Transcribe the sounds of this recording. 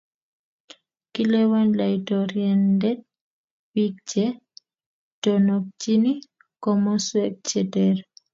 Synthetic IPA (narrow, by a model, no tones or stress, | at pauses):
kilɛwanlajtɔɾjɛndɛt̚ | wik̚t͡ʃɛ | tɔnɔk̚t͡ʃini | kɔmɔswɛk̚t͡ʃɛtɛɾ